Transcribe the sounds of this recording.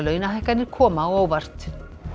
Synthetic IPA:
lœːɥnaɦajhkanɪɾkʰɔːmawoːwvar̥t̪

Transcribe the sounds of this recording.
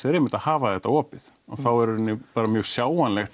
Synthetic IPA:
ɛɾemɪnt̪ahaːvaθɛht̪ːaɔːpɪð | ɔθawɛɾnːɪpaːɾamjœːɣsjaːwanlɛxt̪

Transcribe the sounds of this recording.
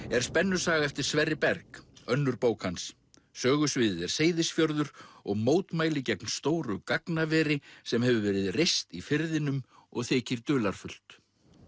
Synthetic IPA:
ɛɾ̥spɛnːʏɾ̥saːɣaɛft̪ɪɾ̥svɛrːɪpɛɾkœnːʏɾpoːwkhans | sœːɣʏsvɪːðɪðɛɾ̥seːjðɪsfjɔɾðʏɾɔɣmoːwt̪maːjlɪcɛknst̪oːwɾʏkaknavɛːɾɪsɛmɦɛvʏvɛːɾɪðrejst̪ifɪɾðɪnʏm | ɔɣθɛːcɪɾ̥t̪ʏːlaɾ̥fʏl̥t̪

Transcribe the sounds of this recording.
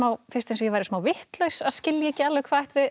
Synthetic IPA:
maːwfɪɾst̪ejnsɔjɛvajɾɪsmaːwvɪht̪lœɥsaðscɪljaɛhcːɪalːɛkʰvaːðɛht̪ɪ

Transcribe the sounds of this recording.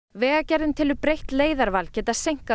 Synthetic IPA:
vɛːɣacɛɾðɪnt̪ʰɪlʏpɾejht̪leːjðaɾvalcɛːt̪aðsejŋ̥ka

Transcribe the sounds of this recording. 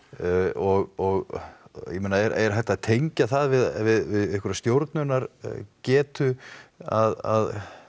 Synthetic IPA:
ɔɣɔɣjɛmeːnaɛɾɛɾ̥ɦajht̪aðt̪ʰejɲcaθaðvɪðvɪðɪðɪhkʏɾast̪jowɾt̪nʏnaɾcɛːt̪ʏaða̰ð

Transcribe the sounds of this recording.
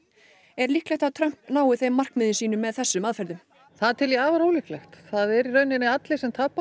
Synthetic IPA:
ɛɾlihklɛxt̪aðt̪ʰɾœm̥pnaːwɪθejmːar̥kmɪðɪnsiːnʏmːɛðθɛsːʏmaːðfɛɾðʏm | θaðt̪ʰɪljɛaːvaɾoːwlihklɛxt̪θaðɛɾiɾœɥnɪnːɪat̪lɪsɛmt̪ʰaːpːa

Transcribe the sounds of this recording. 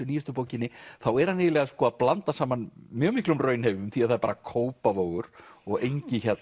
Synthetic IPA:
ʏniːjʏst̪ʏpoːwcɪnːɪθawɛɾ̥hanɪːðɪlɛːɣaskɔːaðplant̪asaːmanmjœːɣmihklʏmrœːɥnhevʏmθiaðθaðɾpaːɾakʰoːwpavoːwɣʏɾ̥ɔɣejɲcɪçɛt̪l

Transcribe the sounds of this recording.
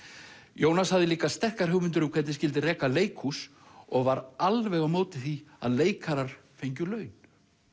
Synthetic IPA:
joːwnashavðɪliːkast̪ɛr̥kaɾ̥hʏwmɪnt̪ʏɾʏmkʰvɛt̪nɪscɪlt̪ɪrɛːkaleːjkʰus | ɔɣvaɾalvɛɣawmoːwt̪ɪθia̰ðleːjkʰaɾaɾ̥ | fejɲcʏlœːɥn

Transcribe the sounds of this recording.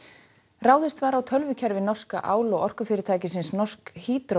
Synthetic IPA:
raːwðɪst̪vaːɾawt̪ʰœlvʏcʰɛɾvɪnɔr̥ska̰ʔa̰ːwlɔɣɔr̥kʏfɪːɾɪɾt̪ʰaːjcɪsɪnsnɔr̥skhiːt̪ɾɔ

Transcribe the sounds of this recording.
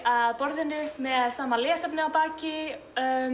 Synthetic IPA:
aðpɔɾðɪnːʏmɛðsaːmalɛːsapnɪawpaːcɪ

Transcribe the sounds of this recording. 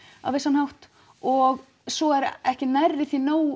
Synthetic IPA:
a̰vejsanhawht̪ | ɔɣ | sɔɛɾɛhcɪnɛɾːɪθinoːw

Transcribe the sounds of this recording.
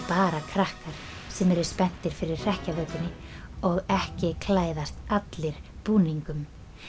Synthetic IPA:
paːɾakʰɾahkaɾ̥ | sɛmɛɾʏɾ̥spɛn̥t̪ɪɾ̥fɪɾɪɾ̥r̥ɛhcavœːk̪lɪnːɪɔɣɛhcɪkʰlaːjðast̪at̪lɪɾ̥puːniŋkʏm

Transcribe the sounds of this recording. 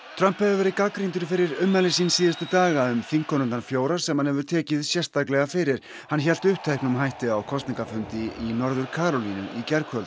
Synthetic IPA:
t̪ʰɾœmpɛvɪvɛɾɪkakɾint̪ʏɾfɪɾɪɾʏmːɛlɪsinsiːðɪst̪ʏt̪aːɣaʏmθiŋkʰːɔnʏnanfjoːwɾaɾ̥sɛmhanhɛvʏɾ̥t̪ʰɛːcɪðsjɛr̥t̪θaklɛɣafɪɾɪɾ̥ | hançɛlt̪ʏhp̚t̪ʰejknʏmɦajht̪ɪawkʰɔst̪niŋkafʏnt̪ɪinɔɾðʏɾ̥kʰaːɾɔlinʏ̰icɛɾkʰhœlt̪

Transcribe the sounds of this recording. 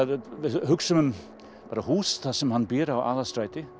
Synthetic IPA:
vɪðhʏksʏmʏm | paːɾahuːst̪asɛmhanːbɛːɾawa̰ːðast̪ɾaːjt̪ɪ

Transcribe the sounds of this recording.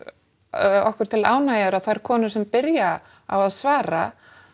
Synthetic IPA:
ɔhkʏɾ̥t̪ʰɪlaːwnajaðʏɾaðθaɛɾkʰɔːnʏ̥sɛmpɪɾja | a̰waðsvaːɾa̰

